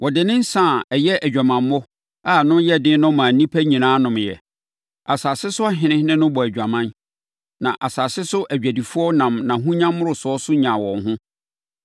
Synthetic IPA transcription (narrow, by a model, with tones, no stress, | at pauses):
wɔ˨dɪ˨nɪ̃˦n̩˦sã˦˨ɛ˨jɛ˦ʔæ˨d͡ʑᶣa˨mã˨m˦mɔ˦ | a˦˨nʊ̃˦jɛ˦˨dɪ̃˦nʊ̃˦mã˨nĩ˦pʰæ˦ɲĩ˨nãː˦nʊ̃˨mjɛ̰˨ | a˨saː˨sɪ˦sʊ˦a˦ɦɪ̃˨nɪ̃˦nɪ̃˦nʊ̃˦bɔ˨æ˨d͡ʑᶣa˨mã˦n | nã̰˨ʔa˨saː˨sɪ˦sʊ˦ʔæ˨d͡ʑᶣæ˨di˨fu˦ɔ˦nã˨mnã˨ɦũ˦ɲã˦mːʊ˦ɾʊ˨sʊ˨˦ɔ˦sʊ˦ɲã˨wɔ̃˨nɦʊ̃˦